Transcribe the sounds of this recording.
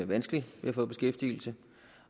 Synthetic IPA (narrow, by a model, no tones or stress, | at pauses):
ɐʋænsɡ̥əliʋe̝æfɔ̽ːb̥e̝sɡ̥efd̥ḭːl̩sə